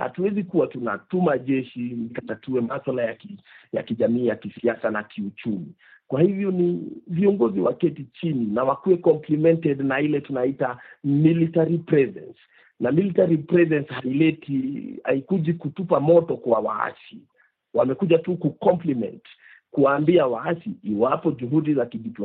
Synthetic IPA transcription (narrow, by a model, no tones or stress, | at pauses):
ha̰tuwɛzikuwatuna̰tumaʄɛʃinikatatuɛmaswalajakija̰kiʄamiːjakisiasanakiut͡ʃumi | kwahivjɔniviɔŋɡɔziwakɛtit͡ʃininawakuwɛkɔmplimɛntɛdnailɛtunaitamilitaɾipɾɛzɛ̰ns | namilitaɾipɾɛzɛnshailɛtia̰ikuʄikutupamɔtɔkwawa̰a̰si | wamɛkuʄatukukɔmplimɛ̰nt | kuwaːmbiawaasiːwapɔʄuɦuɗizakiɗipl